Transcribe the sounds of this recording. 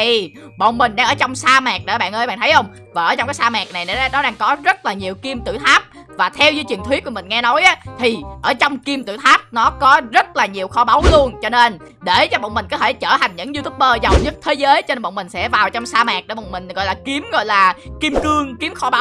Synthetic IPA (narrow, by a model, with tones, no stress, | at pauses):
t̪ʰi˨˩ | ɓɔ̰˧˨wŋ͡mmï˨˩ŋ̟ɗaː˧ŋəː˧˩t͡ɕɔ˧wŋ͡msaː˧maː˨˩k̚ɗe˧˨˩ɓa̰ː˧˨nʔəː˧jɓa̰˧˨nt̪ʰjʔə˧wŋ͡m | vaː˨˩ʔəː˧˩t͡ɕɔ˧wŋ͡mkaː˨˦jsaː˧ma˨˩k̚na˨˩jna˨˦˨nɔ˨˦ɗaː˧ŋkɔ˨˦zə˦˥t̚laː˨˩ɲi˨˩əwki˧mt̪ɨ̰˧˩t̪ʰaː˦˥p̚ | vaː˨˩t̪ʰɛ˧wzəː˨˦jt͡ɕi˨˩ənt̪wt̚ku˧˩mï˨˩ŋ̟ŋɛ˧nɔ˨˦jʔa˨˦t̪ʰi˨˩ʔəː˧˩t͡ɕɔ˧wŋ͡mki˧mt̪ɨ̰˧˩t̪ʰaː˦˥p̚nɔ˨˦kɔ˨˦zə˦˥t̚laː˨˩ɲi˨˩əwxɔ˨˧˦ɓa˨˦wlu˧ənt͡ɕɔ˧ne˧n | ɗe˧˩t͡ɕɔ˧ɓɔ̰˧˨ŋ͡mmï̟˨˩kɔ˨˦t̪ʰe˧˩t͡ɕəː˧˩ha˨˩jŋ̟ɲɨ̰˧˥ŋzu˧t̪ʰu˦˥p̚ɓəː˧zə˨˩wɲə˦˥t̚t̪ʰe˨˦zəː˨˦jt͡ɕɔ˧ne˧nɓ̰ə̰˧˨wmï˨˩ŋ̟sɛ̰˧˥vaː˨˩wt͡ɕɔ˧wŋ͡msaː˧maː˨˩k̚ɗe˧˩ɓɔ̰˧˨wŋ͡mmï˨˩ŋ̟ɣɔ̰˧˨jlaː˨˩ki˨˦mɣɔ̰˧˨jlaː˨˩ki˧mkɨ˧əŋki˨˦əmxɔ˧ɓa˨˦ww